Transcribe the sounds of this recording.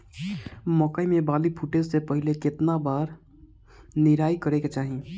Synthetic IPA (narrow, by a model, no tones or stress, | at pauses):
mɔːkəimẽbaːlipʰuʈesepəɦɪlekɪt̪nabaːɾ | nɪɾaːikəɾeket͡ʃaːɦi